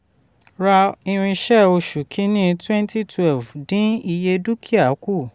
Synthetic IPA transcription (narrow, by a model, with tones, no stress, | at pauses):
ɾa˧ĩ˧ɾ̃ĩ˧ʃɛ˦o˧ʃu˨kʰĩ˨˦nĩ˦twɛ̃˦n˦ti˦tʰwɛ˦˨lvdĩ˦i˧je˧du˦kʰi˦a˦˨˦ku˦˨